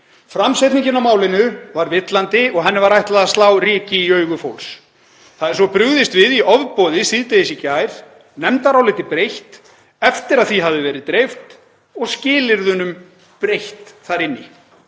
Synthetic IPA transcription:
fɾamset̪niɲcɪnawmaːwlɪnʏvaɾvɪt̪lant̪ɪɔɣɦɛnːɪvaɾajht̪laðast̪laːwriːcɪiœːɥɣʏfowls | θaðɛɾ̥svɔpɾʏɣðɪst̪vɪðiɔvpɔːðɪsiðt̪eðɪsicajɾ̥ | nɛmt̪aɾawlɪːt̪ɪpɾejht̪ | ɛft̪ɪɾaðθiɦavðɪvɛːɾɪðt̪ɾejft̪ | ɔɣscɪːlɪɾðʏnʏm | pɾejht̪θaɾɪnːɪ

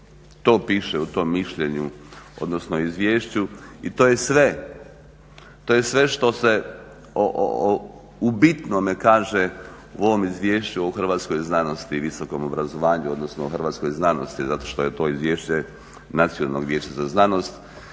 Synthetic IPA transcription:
t̪o̞ːpiːʃeut̪o̞mːiʃʎeɲuo̞̰d̪nosnoizʋjeːʃt͡ɕuit̪oːjesʋe | t̪ojesʋe̞ʃt̪o̞se | o̰ʔo̰ | ubit̪nomekaːʒe | uo̞ʋomizʋjeːʃt͡ɕuoxr̩ʋaːt̪sko̞jznano̞st̪iʋisoko̞mobɾazoʋaːɲuo̞d̪nosnooxr̩ʋaːt̪skojznanost̪izat̪o̞ʃt̪o̞jet̪o̞izʋjeːʃt͡ɕe | nat̪sijona̰lnoɡʋjeːt͡ɕazaznano̞st̪

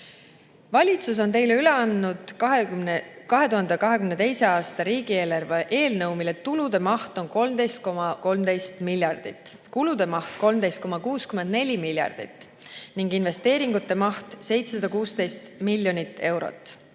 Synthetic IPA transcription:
vɑlʲit̪sus̬o̞nt̪e̞jleyleɑnːud̪̥ | kɑɦe̞t̪uɦɑnd̪ekɑɦe̞kymne̞t̪e̞jse̞ɑːst̪ɑɾiːɡie̞ːlɑrveʔe̞ːlnɤwmilet̪ulud̪e̞mɑht̪o̞nko̞lmd̪e̞jst̪̚ko̞mɑko̞lmd̪e̞jst̪miljɑrd̪̥it̪ˑː | kulud̪̥e̞mɑht̪ko̞lmd̪̥ejst̪̚ko̞mɑkuːskyme̞nd̪ne̞lʲimilʲjɑ̰rd̪̥ḭt̪ːˑniŋɡinve̞st̪e̞ːɾiŋɡut̪ːe̞mɑht̪se̞jt̪sesɑd̪̥ɑkuːst̪e̞jst̪milʲːjo̞nʲit̪ːe̞wɾo̞̰t̪ːˑ

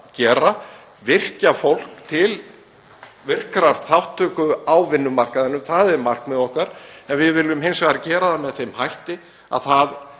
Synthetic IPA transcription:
cɛːɾa | vɪr̥cafowl̥kt̪ʰɪl | vɪr̥kɾaɾ̥θawht̪ʰːœːkʏawvɪnːʏmar̥kaðɪnːʏmθaðɛɾmar̥kmɛðɔhkaɾɛnvɪðvɪlːʏmhejnsaɣaɾcɛːɾaθamːɛðθejmhajht̪ɪ | a̰ðθað

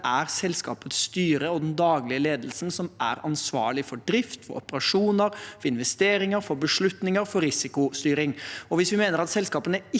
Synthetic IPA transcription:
ʔæɾsɛlskɑ̰ːpət̪sːt̪yːɾəɔd̪ɛnd̪ɑːɡlɪəleːd̪l̩sənsɔmʔæ̰ɾɑnsʋɑ̰ːɭɪfɔɖɾɪft̪fɔ̰ɾɔ̰pəɾɑʂuːnəɾfɔɾɪnʋɛst̪eːɾɪŋəɾfɔɾbəʂɭʉt̪nɪŋəɾfɔɾɪsɪkʊst̪yːɾɪŋɔʋɪsʋɪmeːnəɾɑt̪sɛlskɑːpənəɪ

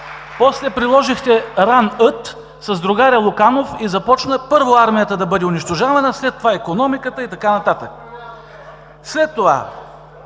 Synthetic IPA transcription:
pɔslɛpɾilˠɔʒixt̪ɛɾanɤt̪ | sɐzd̪ɾʊɡaɾjəlˠʊkanofizɐpɔt͡ʃnəpɤɾvoaɾmijət̪əd̪ɐbɤd̪ʲɛʊniʃt̪oʒavɐnəslɛt̪ːovaikonɔmikət̪əit̪ɐkanɐt̪at̪ək̚ | slɛt̪ːova̰

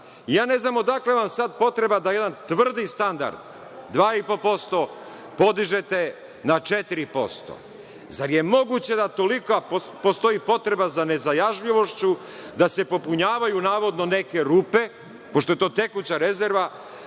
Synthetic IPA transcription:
ijaːne̞znaːmo̞d̪akleʋamsad̪po̞t̪ɾe̞bad̪ajed̪ant̪ʋr̩d̪ist̪and̪a̰ɾd̪ | d̪ʋaːipo̞po̞st̪o̞ | po̞d̪iʒe̞t̪e̞ | nat͡ʃet̪iɾipo̞̰st̪o̰ | zaɾje̞mo̞ɡut͡ɕe̞d̪at̪o̞likoa | post̪o̞ipo̞t̪ɾe̞bazane̞zajaʒʎiʋo̞ʃt͡ɕu | d̪ase̞po̞puɲaːʋajunaːʋo̞d̪no̞ne̞ke̞ɾuːpe̞ | poʃt̪o̞jet̪o̞ːt̪e̞kut͡ɕaɾezeɾʋa

